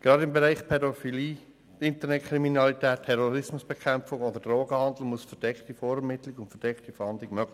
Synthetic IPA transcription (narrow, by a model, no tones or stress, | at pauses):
ɡ̥ɾɑdɪmbɛɾaɪχpʰɛdofiliː | tɪntənɛtkʰɾiminɑlitɛːttʰːɛɾoɾɪsmʊsb̥ɛkʰɛmp͡fʊŋod̪əd̥roːɡəhɑnd̪l̩musfəd̥ɛktifoːɾɛmɪtlɪɡʊntfəd̥ɛktifɑndlɪɡmøɡl